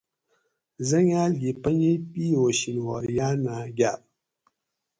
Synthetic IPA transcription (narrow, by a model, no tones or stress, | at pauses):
zaŋjaɮipəɲepioʃinwɔ̰janaɡʲap